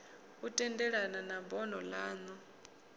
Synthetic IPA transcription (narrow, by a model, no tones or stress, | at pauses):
utʼɛndɛɺananabɔnɔlaːnɔ